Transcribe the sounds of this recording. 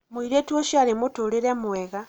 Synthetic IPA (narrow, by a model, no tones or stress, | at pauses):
mwiɾetwoʃaɾimutuleɾemuweɣa